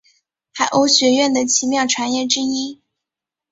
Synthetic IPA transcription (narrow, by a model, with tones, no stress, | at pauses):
xa˨˩ɪʔo˥ʊɕɥɛ˧˥ɥɛ˥˩nd̪ə˩t͡ɕʰi˧˥mjɑ˥˩ʊʈ͡ʂʰwa˧˥njɛ˥˩ʈ͡ʂɻ̩˥i˥